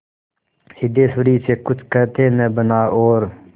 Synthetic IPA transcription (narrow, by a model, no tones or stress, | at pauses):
hid̪eːsuɾiːseːkʊt͡ʃʰkət̪ʰeːnəbənaːʔoːɾ